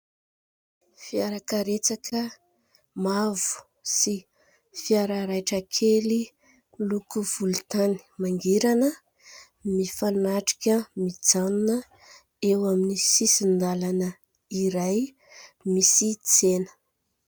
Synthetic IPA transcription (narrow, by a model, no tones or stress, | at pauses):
fiaɾakəɾet͡sakʰə | mavu̥ | si | fiaɾaɾajʈ͡ʂəkʰeli | lukuv̥ulut̪ani̥maŋɡiɾanə | mifanaʈ͡ʂi̥kʲəmid͡zanunə | ewaminisisind̪alanə | iɾaj | misit͡senə̥